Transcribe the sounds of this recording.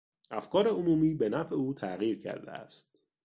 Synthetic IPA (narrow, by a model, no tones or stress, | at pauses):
ʔæfkɒːɾe̞omuːmiːbe̞næfeuːt̪ʰæɣiːɾcʰæ̰ɾd̪ḛæ̰st̪̚